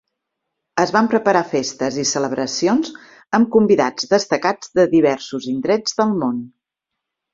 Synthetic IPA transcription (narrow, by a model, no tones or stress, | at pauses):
əzβampɾəpəɾafest̪əzisələβɾəsionz | əmkumbiða̰d͡zðəst̪əkad͡zðəðiβ̞ɛɾsuzind̪ɾɛd͡zðəlˠmon